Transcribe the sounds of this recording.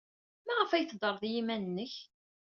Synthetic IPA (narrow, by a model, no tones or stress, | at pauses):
mæʁəfæjθd̪ˤəɾˤðjimænənːəç